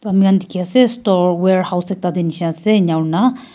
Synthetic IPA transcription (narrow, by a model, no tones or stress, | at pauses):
t̪oamiɣand̪ikiasest̪oɾweɾhawsek̚t̪ad̪eniʃeaseɲawɾna